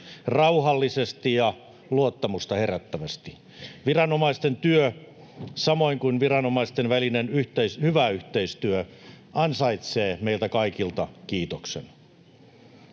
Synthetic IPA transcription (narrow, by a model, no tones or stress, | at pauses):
rɑuhɑlːisest̪ijɑ | luot̪ːɑmust̪ɑheræt̪ːæʋæst̪i̥ | ʋirɑnomɑist̪ent̪yø | sɑmoiŋkunʋirɑnomɑist̪enʋælinenyht̪eishyʋæyht̪eist̪yø | ɑnsɑit̪seːmeilt̪ækɑikilt̪ɑkiːt̪oksḛn